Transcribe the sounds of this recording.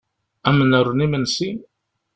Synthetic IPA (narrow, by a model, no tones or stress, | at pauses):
æmənəɾˤːənimənsi